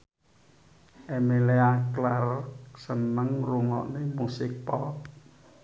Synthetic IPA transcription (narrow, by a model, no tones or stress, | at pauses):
ʔemeleaklarksənəŋruŋɔ̰ʔnemusɪk̚pɔk